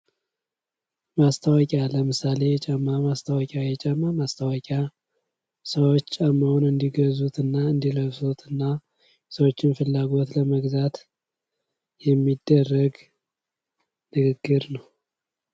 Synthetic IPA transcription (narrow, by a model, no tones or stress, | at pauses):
mast̪ʰawɔkʼjaləmɨsale̞jɛt͡ʃʼɛmːamast̪ʰawɔkʼjajɛt͡ʃʼɛmːamast̪ʰawɔkʼja | səwot͡ʃːt͡ʃʼamːəwnɨnd̪iɡəzut̪ɨnːaɨnd̪iləβsot̪ʰɨnːa | səwot͡ʃːɪnfɨlːaɡo̞t̪ləməɡzat̪ | jɛmːid̪ːərːəɡ | nɨɡɨɡːɨɾnəw